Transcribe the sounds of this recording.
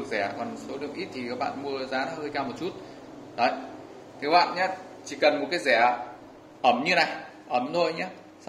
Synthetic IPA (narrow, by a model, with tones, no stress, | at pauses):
ɨ˨˩ək̚zɛ˧˩kɔ˨˩nso˨˦lɨ̰˧˨əŋ͡mʔi˦˥t̚t̪ʰi˨˩˨ɓa̰ː˧˨nmu˧əzaː˨˦həː˧jkaː˧mo˨˩t̚t͡ɕu˦˥t̚ | ɗə˨˦j | t̪ʰe˨˦ɓa̰ː˧˨nɲaː˨˦˥ | t͡ɕi˧˩kə˨˩nmo˨˩t̚kaː˨˦jzɛ˧˩ | ʔə˧˩mɲɨ˧na˨˩j | ʔə˨˧˩mzʰo˧˩jɲaː˨˦˥ | s